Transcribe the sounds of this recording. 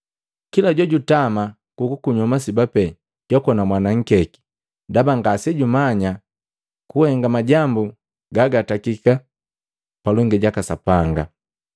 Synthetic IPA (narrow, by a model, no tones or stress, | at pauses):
kilaɟɔɟutama | kukukuɲɔmas̬ibapɛ | ɟ̥ɔkɔnamwanaŋ̩kɛki̥ | dabaŋɡasɛɟumaɲa | kuhɛŋɡamaɟambu | ɡaɡatakika | palɔŋɡɛɟakasapaŋɡa̰